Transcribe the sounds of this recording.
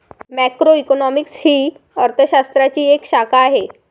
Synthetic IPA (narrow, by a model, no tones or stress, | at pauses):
mɛkɾoikonɔmikshiː | əɾt̪ʰəɕast̪ɾat͡ɕiːekɕakaːɦe